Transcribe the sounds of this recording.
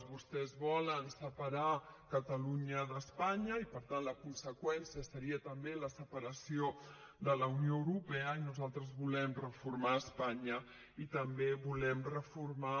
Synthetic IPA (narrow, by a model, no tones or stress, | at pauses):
βust̪ɛzβɔlənsəpəɾakət̪əluɲəðəspaɲəipəɾt̪ant̪ləkunsəkwɛnsiəsəɾiət̪əmbeləsəpəɾəsio | d̪ələunijoəwɾupɛəinuzalˠt̪ɾəzβulɛmrəfuɾmaəspaɲə | it̪əmbeβulɛmrəfuɾma